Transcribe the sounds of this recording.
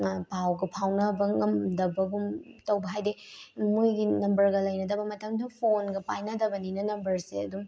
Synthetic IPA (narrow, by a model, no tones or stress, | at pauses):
pawɡɐpʰawnɐbɐŋɐmdɐbɐɡumtɐwbɐɦajdemujɡinɐmbɐɾɡɐlɐjnɐdɐbɐmɐtɐmdɐpʰonɡɐpajnɐdɐbɐninɐnɐmbɐɾsḛɐdum